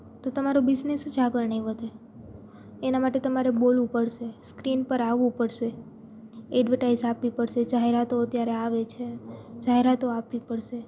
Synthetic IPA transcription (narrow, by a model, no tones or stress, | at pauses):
t̪ot̪əmaɾobɪd͡ʒnesd͡ʒaɡəɭnəĩʋəd̪e | enamaʈet̪əmaɾebolʋũpəɽʃeskɾinpəɾaʋũpəɽʃe | ɛɖʋəʈaizapʋipəɽʃed͡ʒaɦeɾat̪oət̪jaɾeaʋet͡ʃʰed͡ʒaɦeɾat̪oapʋipəɽʃe